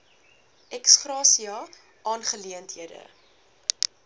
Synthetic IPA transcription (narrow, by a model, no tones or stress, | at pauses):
ɛksχrɑːsiɑ | ʔɑːnχəliəntɦiədə̰